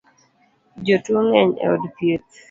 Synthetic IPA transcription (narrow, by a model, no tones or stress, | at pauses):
d͡ʒotuoŋɛɲɛ̰ɔdpet̪